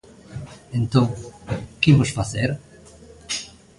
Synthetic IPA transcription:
ẽnt̪õŋkibosfaseɾ

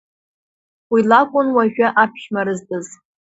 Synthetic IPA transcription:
wilakʷʼʊnwaʒᶣaʔapʰʃmaɾɨztʼɨz

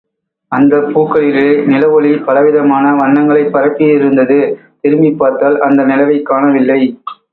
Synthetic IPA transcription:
ɐnd̪ɐpuːkːɐɭɪɾenɪlɐʋɔɭipɐlɐʋɪðɐmaːnɐʋɐɳːɐŋɡɐɭɐɪpːɐɾɐp̪ːɪjɪɾɯnd̪ɐðɯt̪ɪɾɯmbipːaːɾt̪aːlʔɐnd̪ɐnɪlɐʋɐɪkːaːɳɐʋɪlːɐɪ

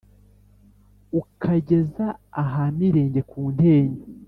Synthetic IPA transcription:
ukʰaɟe̞zaːɦamiɾe̞ːɲɟe̞kʰuːn̥he̞ːɲe

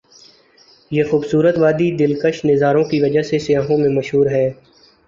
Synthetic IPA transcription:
jeːxuːbsuːɾət̪ʋaːd̪id̪ɪlkəʃnɪzaːɾõkiʋɐd͡ʒaɦsesɪjaːɦõmẽmɐʃɦuːɾɦɛː

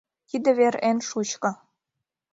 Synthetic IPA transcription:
t̪id̪ə̆βeɾenʃut͡ɕkɤ̆

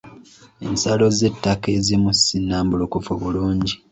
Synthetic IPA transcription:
e̞nsalo̞ze̞tːakezimusinːaːmbulokufuβuluːɲɟi

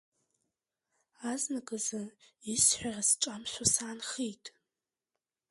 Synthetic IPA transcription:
aznakʼɨzaisħʷᶣarasʈ͡ʂʼamʃʷasaːnχitʼ

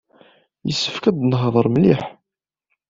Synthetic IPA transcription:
jəsːə̥fkæd̪nɦðˤəɾˤmliħ

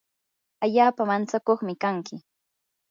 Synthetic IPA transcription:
aʎaːpamant͡sakoχmɪkaŋkɪ

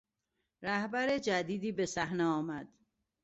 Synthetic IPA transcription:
ɾæhbæɾed͡ʒæd̪iːd̪iːbesæhneɒːmæd̪̥

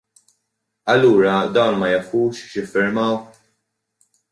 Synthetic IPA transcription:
ɐlːuːɾɐd̪ɐwnmɐjɐfuːʃʃjɪfːɪɾmɐw

